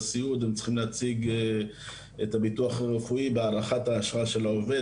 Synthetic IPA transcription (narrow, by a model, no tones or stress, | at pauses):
siut̪emt͡si̥χimleat͡siɡe | etabituaχaʁefuibeaʁaχataːʃʁaʃe̞laove